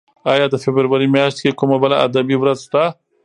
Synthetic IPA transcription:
ɑjɑd̪əfɪbɾəɾwaɾimjɑʃt̪̚kekumabəlaa̰d̪abiwɾazʃt̪a

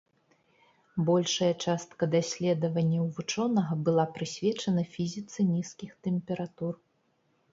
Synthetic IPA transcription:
bɔlʲʂɐjɐt͡ʂast̪kɐd̪asʲlʲɛd̪ɐvɐnʲːɐwvut͡ʂɔnɐɣɐbɨlˠapɾɨsʲvʲɛt͡ʂɐnɐfʲizʲit̪sɨnʲiskʲixt̪ɛmpʲɛɾat̪ur

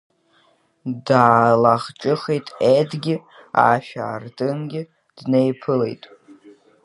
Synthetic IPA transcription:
daːlaχt͡ʃʼɨχejtʼedɡʲɪa̰ʃᶣa̰ːrtʼɨnɡʲɪ | d̥nejpʰɨle̞̰jtʼ

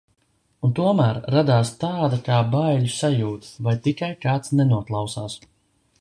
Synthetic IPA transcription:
unt̪uɔmæːɾɾad̪aːst̪aːd̪akaːbajʎusajuːt̪vajt̪ikajkaːt̪snɛnuɔklˠawsaːs

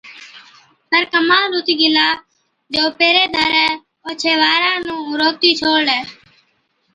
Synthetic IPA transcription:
səɾkəmãːlɾut̪iːɡɪlaː | d͡ʒoːpeːɾeːd̪ʱəɾɛː | oːt͡ʃʰeːʋaːɾãːnũːɾoːk̚t̪iːt͡ʃʰoːɽlɛː

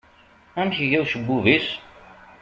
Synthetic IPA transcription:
æmçəʝæwsəbːuvis

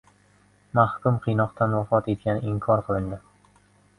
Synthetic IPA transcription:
mahkʊmqʰijnɒqt̪ʰanwafɒt̪e̞t̪̚kʲanɪɪŋkʰɒɾqʰɨlˠɪnd̪ɪ

